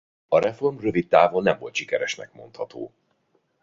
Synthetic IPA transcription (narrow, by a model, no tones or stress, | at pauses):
ɒɾɛfo̞rmrøvit̪ːaːvolnɛɱvo̞̰lt̪ʃikɛɾɛʃnɛ̰kmo̞̰nt̪hɒt̪oː